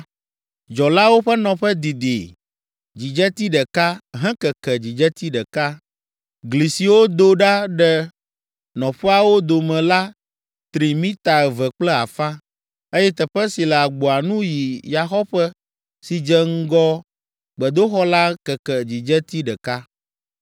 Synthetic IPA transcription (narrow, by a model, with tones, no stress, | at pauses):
d͡ʒɔ˨la˦wo˦ɸɛ˦nɔ̃˨ɸɛ˦d̪i˨d̪i˨ | d͡ʑi˨d͡ʒɛ˦t̪i˦ɖɛ˨ka˦ɦɛ̃˦kɛ˨kɛ˨d͡ʑi˨d͡ʒɛ˦t̪i˦ɖɛ˨ka˦ | ɡli˨si˨wo˦d̪o˦ɖa˦ɖɛ˦ | nɔ̃˨ɸɛ˦a˨wo˦d̪o˨mɛ̃˨la˦ | t̪ɾi˨mĩ˦t̪a˨ɛ˨vɛ˨k͡plɛ˦a̰˨fã˦ | e˦jɛ˦t̪ɛ˨ɸɛ˦si˨lɛ˨a˨ɡ͡bo˨a˨nũ˦ji˨ja˨xɔ˦ɸɛ˦ | si˨d͡ʒɛ˦ŋ̩˦ɡɔ˦ | ɡ͡bɛ˨d̪o˦xɔ˦la˦kɛ˨kɛ˨d͡ʑi˨d͡ʒɛ˦t̪i˦ɖɛ˨ka˦